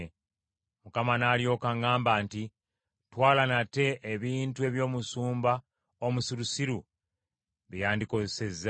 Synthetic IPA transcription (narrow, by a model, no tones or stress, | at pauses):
mukamanaljo̞ːkaŋaːmbaːnti | twaːlanate̞ʔːβiːntue̞βjo̞ːmusuːmba | omusiɾusiɾu | βijaːndiko̞zese̞zːa